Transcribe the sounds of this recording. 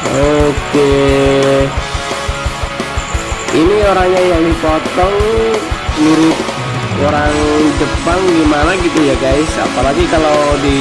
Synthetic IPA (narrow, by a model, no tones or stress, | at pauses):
oke | inioɾaŋɲajaŋdipɔt̪ɔŋ | duɾʊt̪̚ | oɾaŋd͡ʒəpaŋɡimanaɡit̪ujaɡaisa̰palaɡikalawdi